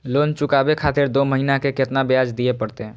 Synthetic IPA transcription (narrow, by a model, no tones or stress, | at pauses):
lont͡ʃukabekʰat̪ɪɾd̪oməɦinakeket̪nabjad͡ʒd̪ijepəɽt̪e